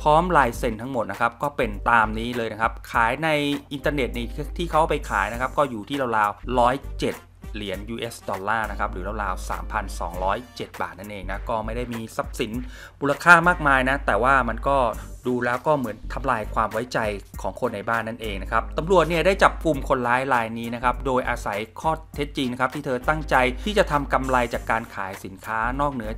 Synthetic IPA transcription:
pʰɔː˦˥mlaː˧jse˧nt̪ʰa˦˥ŋmo˨˩t̪̚na˦˥kʰa˦˥p̚kɔː˥˩pe˧nt̪aː˧mniː˦˥lɤː˧jna˦˥kʰa˦˥p̚kʰaː˩˦jna˧jʔi˧nt̪aː˧ne˨˩t̪̚na˧t̪ʰiː˥˩kʰa˦˥wpa˧jkʰa̰ː˩˦jna˦˥kʰa˦˥p̚kɔː˥˩juː˨˩t̪ʰiː˥˩la˧wlaː˧wɾɔː˦˥jt͡ɕe˨˩t̪̚li˩˦ənjuː˧ʔeː˦˥sdɔː˧lːaː˥˩na˦˥kʰa˦˥p̚ɾɯː˩˦la˧wlaː˧wsa̰ː˩˦mpʰa˧nsɔ̰ː˩˦ŋɾɔː˦˥jt͡ɕe˨˩t̪̚ba̰ː˨˩na˥˩nʔeː˧ŋna˦˥kɔː˥˩ma˥˩jda˥˩jmiː˧sa˦˥p̚si˩˦n | muː˧la˧kʰaː˥˩maː˥˩k̚maː˧jna˦˥t̪ɛː˨˩waː˥˩ma˧nkɔː˥˩duː˧lɛː˦˥wkɔː˥˩mɯ˩˦ənt̪ʰa˧mlaː˧jkʰwaː˧mwa˦˥jt͡ɕa˧jkʰɔː˩˦ŋkʰo˧nːa˧jbaː˥˩nːa˥˩nʔeː˧ŋna˦˥kʰa˦˥p̚t̪a˧mɾu˨˩ət̪̚ni˥˩ɐdaː˥˩jt͡ɕa˨˩p̚kʰu˧mkʰo˧nlaː˦˥jɾaː˧jniː˦˥na˦˥kʰa˦˥p̚doː˧jʔaː˧sa˩˦jkʰɔː˥˩t̪ʰe˦˥t̪̚t͡ɕi˧ŋna˦˥kʰa˦˥t̪ʰiː˥˩t̪ʰɤː˧t̪a˥˩ŋt͡ɕa˧j̪ʰiː˥˩t͡ɕa˨˩t̪ʰa˧mka˧mɾa˧jt͡ɕaː˨˩kːaː˧nkʰaː˩˦jsi˩˦nkʰaː˦˥nɔː˥˩k̚nɯ˦˥ɐ

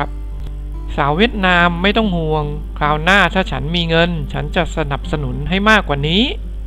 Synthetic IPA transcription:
p̚ | saː˩˦wi˥˩ət̪̚naː˧mːa˥˩jt̪ɔ˥˩ŋhu˧əŋ | kʰlaː˧wnaː˥˩t̪ʰaː˥˩t͡ɕʰa˦˥nmiː˧ŋɤ˧nt͡ɕʰa˦˥nt͡ɕa˨˩ʔsa˧na˨˩p̚sa˧nu˩˦nɦa˥˩jmaː˥˩kːwaː˨˩niː˦˥

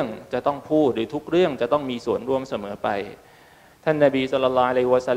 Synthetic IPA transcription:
əŋt͡ɕa˨˩t̪ɔ˥˩ŋpʰuː˥˩t̪̚ɾɯː˩˦t̪ʰu˦˥k̚ɾɯ˥˩əŋt͡ɕa˨˩ʔt̪ɔ˥˩ŋmiː˧su˨˩ənɾu˧əmsa˧mɤː˩˦pa˧j | t̪ʰa˥˩nːa˧˩biː˧sɔ˧lːa˧lːɔː˦˥a˧la˧jhi˧wa˧sa˧l

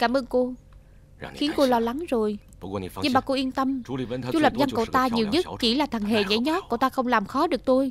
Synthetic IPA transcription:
kaː˧˩mʔəː˧nku˧ | xi˨˦ənku˧lɔ˧la˨˦ŋzo˨˩j | ɲɨ˧mɓaː˨˩ku˧ʔi˧ənt̪ə˧m˧˩˧t͡ɕu˧˦lə˨˩p̚za˧nkə̰˧˩wt̪aː˧ɲi˨˩wɲɨ˦˥t̚t͡ɕi˧˩laː˨˩t̪ʰə˨˩ŋɦḛ˧˨ɲa̰˧˩˦jɲɔ˨˦˥t̚ko˧˩t̪aː˧xə˧wŋ͡mlaː˨˩mxɔ˨˦ɗɨ˨˩ək̚t̪u˧j

